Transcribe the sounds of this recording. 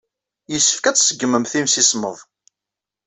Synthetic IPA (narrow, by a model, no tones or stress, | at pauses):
jisːə̥fkæt͡sːsəɡːəməmθimsismə̰ðˤ